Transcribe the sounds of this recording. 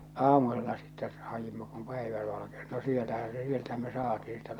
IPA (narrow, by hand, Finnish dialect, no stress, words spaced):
ɑːmuselːɑ sitːɛ hɑjimɑ kum pæiʋæ ʋɑlɑkenĭ no sielːæhæ se sieltæhæm me sɑːtiː sitːɛ